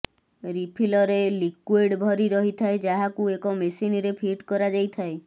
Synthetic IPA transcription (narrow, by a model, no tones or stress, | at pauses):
ɾipʰilɔɾelikweɖbʱɔɾiɾɔɦit̪ʰaed͡ʒaɦakuekɔmesiniɾepʰiʈkɔɾad͡ʒajt̪ʰae